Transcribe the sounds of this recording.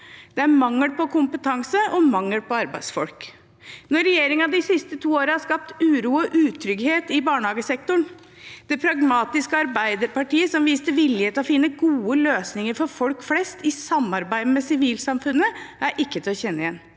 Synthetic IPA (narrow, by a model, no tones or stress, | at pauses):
d̪̥ɛæɾmɑŋːəlpɔkʰʊmpət̪ʰɑŋsəʔɔmɑŋːəɽpʰɔɑɾbæɪd̪sfɔ̰lk | nɔːɛjeːɾɪŋɑd̪ɪsɪst̪ət̪ʰuːoːɾəhɑʂkɑp̚t̪ʉːɾuːɔʔʉːt̪ʰɾʏɡheːt̪ɪbɑːɳəhɑːɡəsɛk̚t̪ʊɳ | d̪̥ɛpʰɾɑɡmɑːt̪ɪskəɑɾbæɪd̪əɾpɑʈiːəsɔmʋiːst̪əʋɪlɪheːt̪ɔfɪnːəɡuːəløːsnɪŋəɾfɔɾfɔlkflɛst̪ɪsɑmːɑɾbæɪd̪əmɛsɪʋiːlsɑmfʉnːəæɾʔɪkːət̪ʰɪlɔçɛnːəɪjɛn